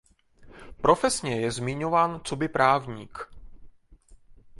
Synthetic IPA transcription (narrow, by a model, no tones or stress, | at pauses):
pɾo̞fɛsɲɛjɛzmɪɲovaːnt͡sobɪpɾʔaːvɲiːk